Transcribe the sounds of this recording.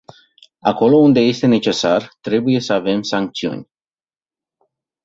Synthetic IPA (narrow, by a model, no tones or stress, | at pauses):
a̰ko̞lo̞und̪e̞je̞st̪e̞ne̞t͡ʃe̞sart̪ɾe̞buje̞səave̞msaŋk̚t̪siṵnʲ